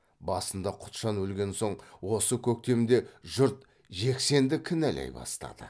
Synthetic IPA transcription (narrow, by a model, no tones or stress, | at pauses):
bɑsənd̪ɑqʰʊ̥t̪ʃɑnwɵlɡʲe̞nso̞ɴwo̞səkʲʰɵk̚t̪e̞mɪnd̪e̞ʒʊɾt̪ | ʒe̞kse̞nd̪ɪkʲʰɪnælʔæ̰jbɑ̰st̪ɑ̰d̪̥ə̰